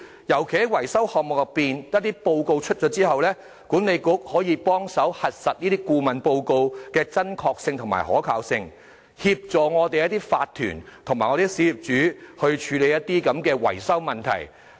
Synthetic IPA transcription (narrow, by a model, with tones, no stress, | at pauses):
jɐ˨˩wkʰe˨˩hɐ˥jwɐ˨˩jsɐ˥whɔː˨k̚mʊ˨kjɐ˨piː˨njɐ˥t̚t̪iː˥po˧wko˧wt͡ʃʰɵ˥t̚t͡ʃɔ˨˥t͡siː˥hɐ˨wlɛː˥ | kuː˨˥nle˨˧jkʊ˨˥k̚hɔː˨˥jiː˨˧pɔː˥ŋsɐ˨˥whɐ˨t̚sɐ˨t̚niː˥t̪iː˥kuː˧mɐ˨npo˧wko˧wkɛː˧t͡sɐ˥nkʰɔː˧k̚sɪ˧ŋt̪ʰʊ˨ŋma̰ː˨˩jhɔ̰ː˨˥kʰaː˨˧wsɪ˧ŋ | hiː˧p̚t͡sɔː˨˩ŋɔː˨˧t̪e˨jɐ˥t̪̬iː˥faː˧t̪ʰːy̰ː˨˩nt̪ʰʊ˨˩ŋmaː˨˩ŋɔː˨˧e˨˧˥siː˨˥jyː˨˩p̚t͡ʃyː˨˥hɵ˧ɥt͡ʃʰyː˨˧˥le˨˧jɐ˥t̚t̪iː˥kɐ˨˧˥mkɛː˧wɐ̰˨˩jsɐ˥wmɐ˨nt̪ʰɐ̰˨˩j